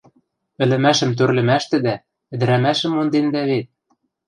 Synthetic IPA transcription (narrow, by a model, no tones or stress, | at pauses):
ɘ̆lɘ̆mæʃə̆mt̪̬ørlɘ̆mæʃt̪ɘ̆d̪æ | ɘ̆d̪ɘ̆ɾæmæʃə̆mːond̪end̪æβet̪̚